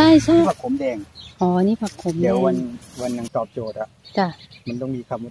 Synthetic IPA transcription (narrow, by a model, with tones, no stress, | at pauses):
aː˥˩jt͡ɕʰa˥˦˩pʰa˨˧˩k̚ʰpʰo˨˦mdɛː˧ŋʔɔː˩˦a˧niː˦˥˩pʰa˨˩k̚pʰo˨˦m˨˧˦wa˧nwa˧nːa˧˩ŋt̪ɔː˨˩p̚t͡ɕoː˨˩t̪̚a˨˩ʔt͡ɕa˧˩ma˧nt̪ɔ˥˩ŋmiː˧kʰwaː˧mu˦˩˧